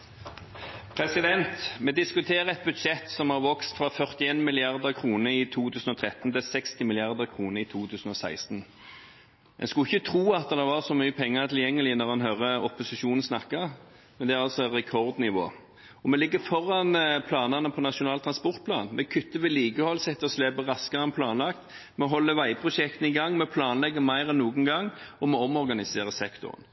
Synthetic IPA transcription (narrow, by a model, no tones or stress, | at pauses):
pʰɾɛsɪd̪ɛnt̪mɛd̪ɪskʉt̪ʰeːɾəɛt̪̚bʉd̪ʂɛt̪sɔmhɑʁʋɔkst̪fʁɑfœʁt̪ɪeːnmɪlɪɑʁd̪əkʰʁuːnəɾɪt̪ʰuːt̪ʰʉːsn̩ɔt̪ʰɾɛt̪n̩t̪ɪlsɛkst̪ɪmɪlɪɑʁd̪əʁkʰʁuːnəɪt̪ʰuːt̪ʰʉːsn̩ɔsæ̰ɪst̪n | ɛ̰nskʉɪçːət̪ʰɾuːɑt̪d̪d̪ɑʋɑʁsɔmyːəpʰɛŋːəʁt̪ʰɪljɛŋːəlɪnɔʁɑnɦœʁəɔpʊsɪʃuːnn̩snɑkːɑ | mɛnd̪ɛæʁɑlsɔɛnʁɛkʰɔʁd̪nɪʋo̰ː | ɔmɛlɪɡːəfɔɾːɑnpʰlɑːnɑnəpʰɔnɑʃʊnɑːlt̪ʰʁɑnspɔʁt̪̚pʰlɑ̰ːnmɛkʰʏt̪ːəʋɛliːɡəhɔlsɛt̪ːəʁɔslɛbəʁɑskəʁɑnpʰlɑːnlɑkt̪mɛɦɔlːəʋæɪpʰɾʊʂɛk̚t̪ən̩ɪɡɑŋːmɛpʰlɑːnlɛɡːəmæɪʁɛnːuːɡən̩ɡɑŋːɔmɔɔmɔʁɡɑnɪseːʁəsɛkt̪ʊ̰ʁə̰n